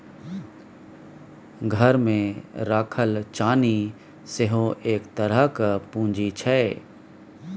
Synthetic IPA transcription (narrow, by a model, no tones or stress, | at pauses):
ɡʱəɾmẽɾaːkʰəlt͡ʃaːni | seɦõʔeːkt̪əɾəɦkəpũːɲd͡ʒit͡ʃʰɛ